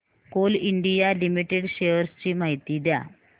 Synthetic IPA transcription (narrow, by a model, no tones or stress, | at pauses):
koliɳɖijalimiʈeɽɕejəɾst͡ɕiːmaɦit̪iːd̪ja̰